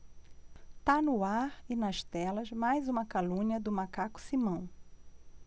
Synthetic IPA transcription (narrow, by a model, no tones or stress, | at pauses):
t̪anʊaɾɪnɐʃt̪ɛlɐzmajzũmɐkalũɲiɐd̪ʊmakakʊ̥simɐ̃w̃